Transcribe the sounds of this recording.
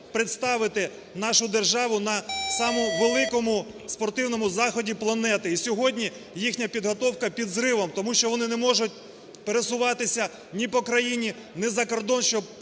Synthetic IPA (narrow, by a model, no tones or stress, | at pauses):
pɾɪt̪st̪ɑʋɪt̪ɪ | nɑʃʊd̪erʒɑʋʊnɐsɑmʊʋelˠɪkɔmʊ | spɔrt̪ɪwnɔmʊzɑxɔdʲiplˠɐnɛt̪ɪisʲɔɦɔdʲnʲi | jixnʲɐpʲid̪ɦɔt̪ɔwkɐpʲid̪zɾɪʋɔmt̪ɔmuʃt͡ʃɔʋɔnɪnɛmɔʒʊt̚ʲ | peɾesʊʋɑt̪ɪsʲɐ | nʲipɔkɾɐjinʲi | nɛzɐkɔrd̪ɔnʃt͡ʃɔb